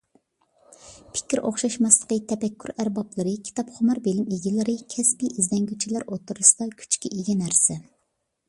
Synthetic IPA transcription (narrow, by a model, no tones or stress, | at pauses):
pʰɪ̥kʲiɾʔo̰χʃɑʃmɑslˠə̥qət̪ʰɛpɛkʲːyɾæɾbɑplˠɨɾɨkʲʰi̥t̪ʰɑpχʊmɑɾbelɪmeɡʲilɪɾɨkʲʰɛspiʔizd̪ɛŋɡʲyt͡ʃʰilæɾot̪uɾɨsɨd̪ɑkʲʰy̥t͡ʃkʲiʔeɡʲɛnæɾsɛ